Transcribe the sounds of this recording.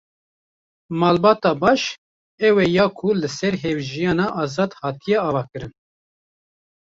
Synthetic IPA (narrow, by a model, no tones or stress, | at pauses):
mɑːlbɑːt̪ɑːbɑːʃ | ɛwɛjɑːkʰulɨsɛɾɦewʒijɑːnɑʔɑːzɑːd̪hɑːt̪ʰijɛɑːvɑːkɨɾɨn